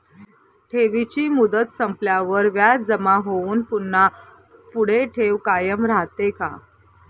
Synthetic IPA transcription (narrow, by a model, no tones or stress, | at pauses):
ʈʰeʋit͡ɕiːmud̪ət̪səmpljaʋəɾʋjad͡zəmaɦouːnpunːa | puɽ̤eʈʰeʋkajəmɾaɦt̪eka̰